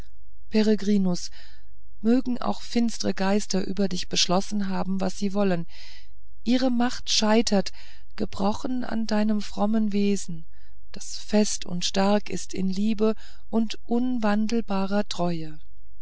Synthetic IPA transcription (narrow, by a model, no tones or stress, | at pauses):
pʰɛʁəɡʁiːnʊs | møːɡŋ̩ʔa̰ʊxfɪnstəʁəɡaɪstɐʔy̰ːbɐdɪçb̥əʃlɔsn̩ɦaːbm̩vasz̥iːvɔlən | ʔiːʁəmaχtʃaɪtʰɐt | ɡ̥əbʁɔχn̩a̰ndaɪnəmfʁ̥ɔmənveːzn̩ | d̥asfɛstʰʊ̰ntʃtaɐkɪ̰stɪ̰nliːbə | ʔʊntʔʊnvandl̩baːʁɐtʁ̥ɔʏə